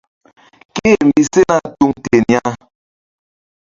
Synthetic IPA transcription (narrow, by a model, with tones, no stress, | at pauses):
ke˦˨m̩˨bi˦se˦na˦tu˦ŋte˨ni˦a˦